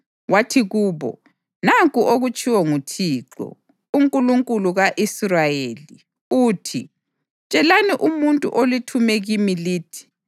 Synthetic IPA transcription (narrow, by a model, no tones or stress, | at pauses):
watʰiɣuːβɔ̰ | naŋkʼuʔoɣut͡ʃʰʼiwɔŋutʰiːǁɔ̰ | uŋkʼuluŋkʼuluɣaʔisrajeli | uːtʰi | t͡ʃʼɛlaniʔumuntʼṵʔolitʰumɛɣimiliːtʰi̥